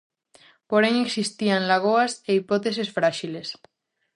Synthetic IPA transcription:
poɾeŋeksist̪ianlaɣ̞oaseipot̪es̬esfɾaʃiles

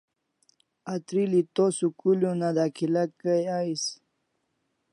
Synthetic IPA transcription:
at̪ɾilit̪osukuljũnad̪akʰilakajais

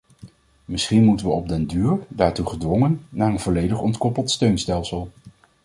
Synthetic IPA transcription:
mɪsχinmutənʋəɔb̚dɛndyːɹdaːɹtuχədʋɔŋənːaːɹənvɔlejdəχɔntkɔpəlˠtstøɥnstɛlˠsəlˠ

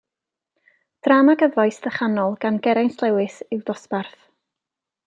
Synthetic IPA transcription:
d̥ramaɡəvajsðəχanɔlˠɡ̥anɡɛɾajnslˠɛwɨsɪwdɔsparθ

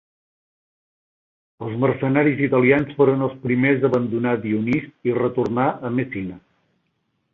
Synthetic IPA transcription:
əlˠzmərsənaɾizit̪əlˠiansfoɾənəlˠspɾimezəβənd̪unaðiunist̪irət̪urnaʔəmesinə

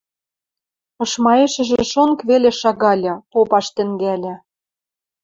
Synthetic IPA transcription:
ɤ̆ʃmɑeʃɘ̆ʒĕʃonkβeleʃɑɣɑlʲɑpopɑʃt̪ɘ̆ŋɡælʲɘ̆

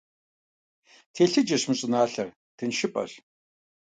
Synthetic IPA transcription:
tʰeːɬɨd͡ʒɐɕmɨɕʼɪnaːɬɐr | tʰɨnʃɪpʼɐ̰r

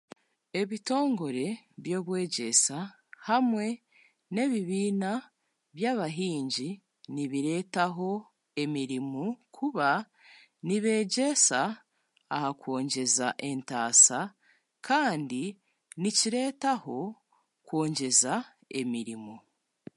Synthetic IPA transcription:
e̞βito̞ːŋɡo̞ɾe̞βjo̞ːβwe̞ːɟe̞sa | hamwe̞ | ne̞ːβiβiːna | βjaːβaɦiːɲɟi | niβiɾe̞ːtaɦo̞ | e̞miɾimukʰuβa | niβe̞ːɟe̞saː | hako̞ːɲɟe̞zaʔe̞ntaːsa | kʰaːndi | niciɾe̞ːtaho̞ | kwoːɲɟe̞za | e̞miɾimu

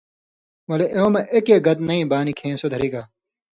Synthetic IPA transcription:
wɐleʔomɐʔekeːɡɐt̪nɐĩːbaːnikʰẽːnsod̪ʱɐɾiɡaː

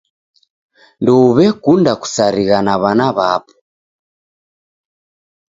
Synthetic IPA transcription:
ndɔuβɛkundaku̥saɾiɣanaβanaβapɔ̥

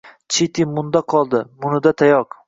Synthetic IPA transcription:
t͡ʃʰet̪ʰɪmʊnd̪aqʰɒlˠd̪ɪmʊnɪd̪at̪ʰajɒq

